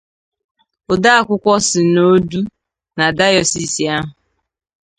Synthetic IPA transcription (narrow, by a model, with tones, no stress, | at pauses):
ʊ˨da˦a˦˨kʷʊ˦kʷɔ˦sɪ˨no˦du˦ | na˨da˦jɔ˨si˨si˨a˦ɦʊ˨